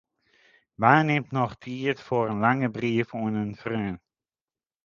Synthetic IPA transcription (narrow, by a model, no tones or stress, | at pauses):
ʋaːnemtnɔχtʰiːətfoːɾənlaŋəbriəfuːnənfrøːn